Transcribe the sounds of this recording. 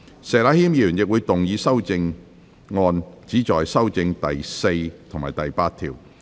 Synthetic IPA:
sɛː˨laː˨˥hiː˥mjiː˨˧˩ɥyː˨˩njɪ˨k̚wuː˨˧jt̪ʊ˨ŋjiː˨˧sɐ˥wt͡sɪ˧ŋ | ŋɔː˧nt͡siː˨˥t͡ʃɔː˨˩jsɐ˥wt͡sɪ˧ŋt̪ɐ˨jse˧jt̪ʰʊ˨˩ŋmaː˨jt̪ɐ˨jpaː˧t̪̚ʰiː˨˩w

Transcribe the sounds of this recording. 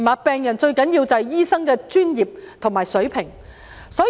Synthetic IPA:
maː˨t̚pɛː˨˧ŋjɐ˨˩nt͡ʃɵ˧ɥkɐ˨˥njiː˧wt͡sɐ˨hɛ˨˩jiː˥sɐ˥ŋkɛː˧t͡ʃyː˥njiː˨p̚t̪ʰʊ˨˩ŋmaː˨˩jsɵ˨˥ɥpʰɪ˨˩ŋ | sɔː˨˥

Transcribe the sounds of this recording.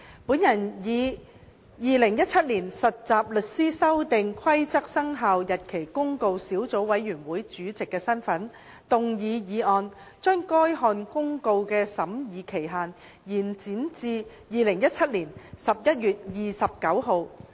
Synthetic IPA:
puː˨˥njɐ˨˩njiː˨˧ | jiː˨˧lɪ˨˩ŋjɐ˥t̚t͡sʰɐ˥t̚liː˨˩nsɐ˨t̚t͡saː˨p̚lɵ˨t̚siː˥sɐ˥wt̪ɪ˨ŋkʷʰɐ˥jt͡sɐ˥k̚sɐ˥ŋɦaː˨wjɐ˨t̚kʰe˨˩jkʊ˥ŋko˧wsiː˨˥wt͡so˨˥wwɐ˨˥jːyː˨˩nwuː˨˥jt͡ʃyː˨˥t͡sɪ˨kːɛː˧sɐ˥nfɐ˨˥n | t̪ʊ˨ŋjiː˨˧jiː˨˧ʔɔː˨˧n | t͡ʃœː˥ŋkɔː˥jɦɔː˧nkʊ˥ŋko˧wkɛː˧sɐ˨˥mjiː˨˧kʰe˨˩jɦaː˨n | jiː˨˩nt͡siː˨˥nt͡siː˧ | jiː˨lɪ˨˩ŋjɐ˥t̚t͡sʰɐ˥t̚liː˨˩nsɐ˨p̚jɐ˥t̚ɥyː˨t̚jiː˨sɐ˨p̚kɐ˨˥wɦo˨˧w

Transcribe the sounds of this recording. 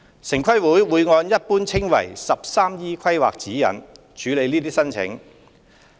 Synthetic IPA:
sɪ˨˩ŋkʷʰɐ˥jwuː˨˥jwuː˨˧jŋɔː˧njɐ˥t̚puː˥nt͡sʰɪ˥ŋwɐ̰˨˩jsɐ˨p̚saː˥mjiː˥kʰɐ˥jwa̰ː˨k̚t͡siː˨˥jɐ̰˨˩n | t͡ʃʰyː˨˧le˨˧jniː˥t̪iː˥sɐ˥nt͡sʰɪ̰˨˥ŋ

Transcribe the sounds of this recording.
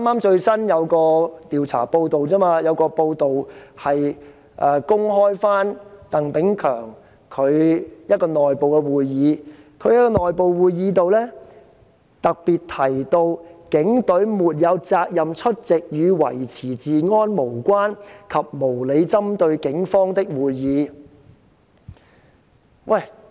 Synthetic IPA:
a˥maː˥mt͡ʃɵ˧ɥsɐ˥njɐ˨˧wkɔː˧t̪iː˨wt͡sʰa̰ː˨˩po˧wt̪o˨wt͡sɐː˥maː˧jɐ˨˧wkɔː˧po˧wt̪o˨whɐ˨j | ʔɛː˨˧kʊ˥ŋɦɔː˥jfaː˥nt̪ɐ˨˩ŋpɪ˨˥ŋkʰœː˨˩ŋ | kʰɵ˨˧ɥjɐ˥t̚kɔː˧nɔː˨jpo˨wkɛ˧wuː˨jːiː˨˧ | kʰɵ˨˧ɥjɐ˥t̚kːɔː˧nɔː˨jpo˨˧wwuː˨˧jjiː˨˧t̪o˨wlɛː˥ | t̪ɐ˨k̚piː˨tt̪ʰɐ˨˩jt̪o˧wkɪ˨˥ŋt̪ɵ˨˥ɥmuː˨t̚jɐ˨˧wt͡saː˧k̚jɐ˨mt͡ʃʰɵ˥t̚t͡sɪ˨k̚jyː˨˧wɐ̰˨˩jt͡sʰiː˨˩t͡siː˨ŋɔː˥nmo˨˩wkʷwaː˥nkʰɐ˨p̚mo˨˩wle˨˧jt͡sɐ˥mt̪ɵ˧ɥkɪ˨˥ŋfɔː˥ŋt̪ɪ˥k̚wuː˨jːiː˨˧˦ | wʔɐ˨˩j

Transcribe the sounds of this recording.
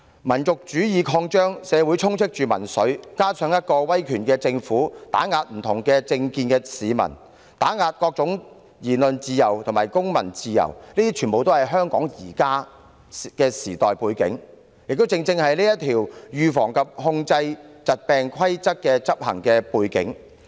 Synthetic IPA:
mɐ˨˩nt͡sʊ˨k̚t͡ʃyː˨˥jiː˨˧kʰɔː˧ŋt͡ʃœː˥ŋsɛː˨˧wu˨˥jt͡sʰʊ˥ŋt͡sʰɪ˥k̚t͡ʃyː˨˩mɐ̰˨˩nsɵ˨˥ɥkaː˥t͡sʰœː˨˥ŋjɐ˥t̚kɔː˧wɐ˥jkʰyː˨˩nkɛː˧t͡sɪ˧ŋfuː˨˥t̪a̰ː˨˥ŋaː˧t̚m̩˨˩t̪ʰʊ˨˩ŋkɛː˧t͡sɪ˧ŋkiː˧nkɛː˧siː˨mɐ̰˨˩n | t̪aː˨˥ŋaː˧t̚kɔː˧k̚t͡sʊ˨˥ŋ | jiː˨˩nlɵ˨nt͡siː˨˧jɐ˨˩wt̪ʰʊ˨˩maː˨˩jkʊ˥ŋmɐ˨˩nt͡siː˧jɐ̰˨˩wnliː˥t̪iː˥t͡ʃʰyː˨˩npo˨wt̪o˥hɐ˨jɦœː˥ŋkɔː˨˥ŋjiː˨˩kaː˥ | kɛː˧siː˨˩t̪ɔː˨jpuː˧jkɪ̰˨˥ŋ | jɪ˨k̚t̪o˥wt͡sɪ˧ŋt͡sɪ˧ŋhɐ˨jliː˥jɐ˥t̪ʰiː˨˩wjyː˨fɔː˨˩ŋkʰɐ˨p̚hʊ˧ŋt͡sɐ˧jt͡sɐ˨t̚pɛː˨˧ŋkʰɐ˥jt͡sɐ˥k̚kːɛː˧t͡sɐ˥p̚hɐ̰˨˩ŋkɛː˧puː˧jkɪ̰˨˥ŋ

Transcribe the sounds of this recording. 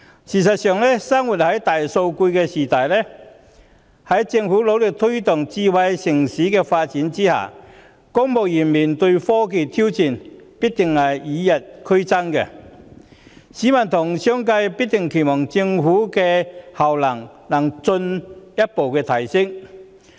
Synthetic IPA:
siː˨˩s̬ɐ˨t̚sœː˨˩ŋlɛː˥sɐ˥ŋwuː˨˩t̚hɐ˨˥jt̪aː˨jso˧wkuː˧jkɛː˧siː˨˩t̪aː˨˩jlɛː˥ | hɐ˨˥jt͡sɪ˧ŋfuː˨˥lo˨˥wlɪ˨k̚t̪ʰɵ˥ɥt̪ʊ˨ŋt͡siː˧wɐ˧jsɪ˨˩ŋsiː˨˥kɛː˧faː˧t̚t͡siː˨˥nt͡siː˥ha̰ː˨˩ | ko˥ŋmo˨˩wjiː˨˩nmiː˨˩nt̪ɵ˧ɥfɔː˥k̬e˨˧t̪ʰi˥wt͡siː˨˩npiː˥k̚t̪ɪ˨˩ŋhɐ˨˩jiː˨˧jɐ˨t̚kʰɵ˥ɥt͡sɐ˥nkɛ̰˧ | siː˨˥mɐ˨˩nt̪ʰʊ˨˩ŋsœ˥ŋkɐ˧jpi˥t̚t̪ɪ˨˩ŋkʰe˨˩jmɔː˨˩ŋt͡sɪ˧ŋfuː˨˥kɛː˧hɐ˨˩wlɐ˨˩ŋnɐ˨˩ŋt͡sɵ˧njɐ˥t̚po˨wkɛː˧t̪ʰɐ˨˩jsɪ˥ŋ

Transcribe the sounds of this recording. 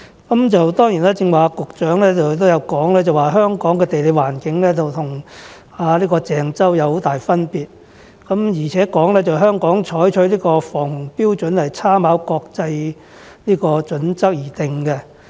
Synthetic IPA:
kɐ˨˦mt͡sɐ˨wt̪ɔː˥ŋjiː˨˩naː˥t͡sɪ˧ŋwaː˨˧kʊ˨k̚t͡ʃœː˨˥ŋlɛː˥t͡sɐ˨wt̪o˥wjɐ˨˧wkɔː˨˥ŋlɛː˥t͡sɐ˨˩waː˨ɦœː˥ŋkɔː˨˥ŋkɛː˧t̪e˨jle˨˧jwaː˨˩nkɪ˨˧ŋlɛː˥t͡sɐ˨wt̪ʰʊ˨˩ŋ | aː˨˧liː˥kɔː˧t͡sɛː˨ŋt͡sɐ˥wjɐ˨˧who˨˥wt̪aː˨jfɐ˥npiː˨t̚ | kɐ˨˥mjiː˨˩t͡sʰɛː˨˥kɔː˨˥ŋlɛː˥t͡sɐ˨wɦœː˥ŋkɔː˨˥ŋt͡ʃʰɔː˨˥jt͡ʃʰɵ˨˥liː˥kɔː˧fɔː˨˩ŋhʊ˨˩ŋpiː˥wt͡ʃɵ˨˥nhɐ˨jt͡sʰaː˥maː˨˥wkɔː˧k̚t͡sɐ˧j | liː˥kɔː˧t͡ʃɵ˨˥nt͡sɐ˥k̚jiː˨˩t̪ɪ˨ŋkɛ˧

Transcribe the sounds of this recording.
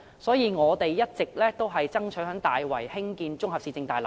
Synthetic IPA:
sɔː˨˥jiː˨˧ŋɔː˨˧t̪e˨jjɐ˥t̚t͡sɪ˨k̚lɛː˥t̪o˥wɦɐ˨jt͡sɐ˥ŋt͡ʃʰɵ˨˥ɦœː˨˥ŋt̪aː˨jwɐ̰˨˩jhɪ˥ŋkiː˨˧nt͡sʊ˥ŋɦɐ˨p̚siː˨˩t͡sɪ˧ŋt̪aː˨˩lɐ̰˨˩

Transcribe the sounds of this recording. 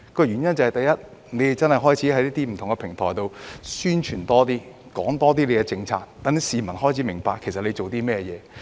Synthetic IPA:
kɔː˧jɥyː˨˩njɐ˥nt͡sɐ˨˩hɐ˨jt̪ɐ˨jɐ˥t̚ | ne˨˧jt͡sɐ˥nhɐ˨jɦɔː˥jt͡sʰiː˨˥hɐ˨˥jliː˥t̪iː˥m̩˨˩t̪ʰʊ˨ŋkɛ˧pʰɪ˨˩ŋt̪ʰɔː˨˩jt̪o˨wsyː˥nt͡ʃʰyː˨˩nt̪ɔː˥t̪iː˥ | kɔː˨˥ŋt̪ɔː˥t̪iː˥le˨˧jkɛ˧t͡sɪ˧ŋt͡sʰaː˧k̚t̪ːɐ˨˥ŋsiː˨˧mɐ˨˩nhɔː˥jt͡sʰiː˨˥mɪ˨˩ŋpaː˧kʰːe˨˩sɐ˨t̚le˨˧t͡so˨wt̪iː˥mɛː˥jɛ̰ː˨˧

